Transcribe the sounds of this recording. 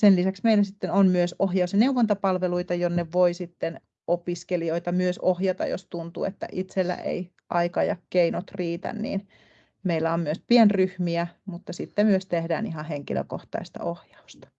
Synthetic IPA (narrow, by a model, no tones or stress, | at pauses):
senlisæksmeilːˑæsit̪ːenonmyøsohjɑusjɑneuʋːont̪ɑpɑlʋeluit̪ɑjonːeʋʋoisit̪ːen | opiskelioit̪ɑmyøsohjɑt̪ɑ̰jo̰st̪unt̪ṵːḛt̪ːæ̰ʔit̪selːæ̰ʔḛi | ʔɑikɑjɑkkeinot̪riːt̪æ̰nnḭːn | meilːæommyøspienryhmiæmut̪ːɑsit̪ːemyøst̪ehdæ̰ːniɦɑheŋkilø̰ko̰ht̪ɑ̰ist̪ɑ̰ohjɑ̥ust̪ɑ̥